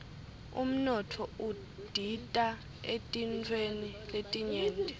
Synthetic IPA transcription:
ṵm̩nɔtʰɔu | d̥ʱitʼa | etʼint͡fʰweniletʼiɲɛːntʼɛ

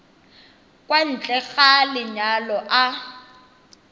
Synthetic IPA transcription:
kʼwan̩t͡ɬʼɛɣalɪɲalɔʔa

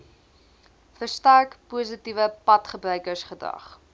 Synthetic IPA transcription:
fərstærkpuːəs̬itivəpɐtχəbrœɥkərsχədɐ̰χ

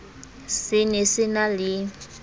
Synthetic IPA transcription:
sɪnɪsɪnalɪ

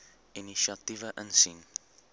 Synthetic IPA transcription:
iniʃiɐtivəʔənsin

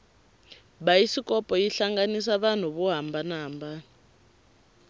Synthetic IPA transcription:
βajisikʼɔpʼɔjiɬaŋɡanis̬aβan̤uβuɦambanaːmba

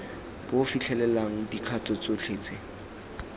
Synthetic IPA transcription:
b̥ofit͡ɬʰɛlɛlaŋ̩dikʰatʼɔt͡sot͡ɬʰeːt͡sʰʼe

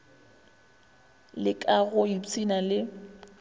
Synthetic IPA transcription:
lɪkʼaɣʊit͡sʼinalɪ

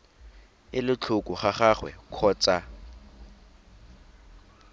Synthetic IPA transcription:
ɪlɪt͡ɬʰʊkʼʊχaχaχwɛ̰kʰɔːt͡sʼa

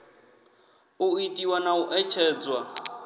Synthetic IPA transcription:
ʊitʼiwanaʊʔɛt͡ʃʰɛːd͡zwa

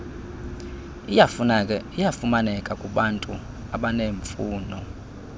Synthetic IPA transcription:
ijafʼijafumanɛkʼakʼuɓantʼu | aɓaneːɱfuːnɔ

